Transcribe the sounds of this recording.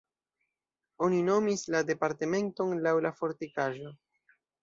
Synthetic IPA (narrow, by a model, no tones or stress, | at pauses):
o̞nino̞mislade̞paɾte̞me̞nto̞nlawlafo̞ɾtikaʒo̞